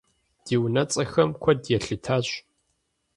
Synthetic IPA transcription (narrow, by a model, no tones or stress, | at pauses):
d̥iːwnɐt͡sʼɐxɐmkʷʰɔdjɛɬɨtʰaːɕ